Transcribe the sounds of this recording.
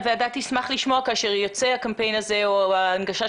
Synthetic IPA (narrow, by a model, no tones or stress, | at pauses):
veadat̪ismaχliʃmo̞akaːʃeʁjot͡sehakampe̞jnaze̞oaːnɡaʃa